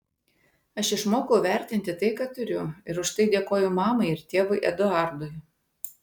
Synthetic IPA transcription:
ɐʃɪʃmoːkɐʊʋʲɛˑɾʲt̪ʲɪnʲt̪ʲɪt̪ɐɪkɑːt̪ʊɾʲʊɪɾʊʃt̪ɐɪd̪ʲeːkoːjʊmɑːmɐɪɪɾt̪ʲeːʋʊɪʔɛ̰d̪ʊɑˑɾd̪ʊɪ

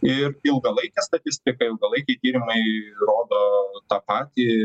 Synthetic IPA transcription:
ɪrɪlˠɡɐlˠɐɪkʲɛst̪ɐt̪ʲɪsʲt̪ʲɪkɐɪlˠɡɐlˠɐɪkʲɛɪt̪ʲiːɾʲɪmɐɪroːd̪oːt̪ɑːpɑːt̪ʲiː

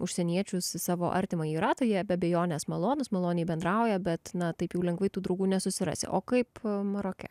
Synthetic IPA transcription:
ʊʃʲsʲɛnʲiɛt͡ʃʲʊssɑːʋoːʔɐ̰ɾʲt̪ʲɪmɐjiːɾɑːt̪oːjɛbʲɛɐbʲeːjoːnʲeːsmɐlˠoːnʊsmɐlˠoːnʲɛbʲɛnd̪ɾɑʊjɛbʲɛt̪nɐt̪ɐɪpjɛʊlʲɛŋɡʋɐɪt̪uːd̪ɾɐʊɡuːnʲɛsʊsʲɪɾɑ̰ːsʲḛʔo̰ːkɐɪpmɐɾoːkʲɛ̰

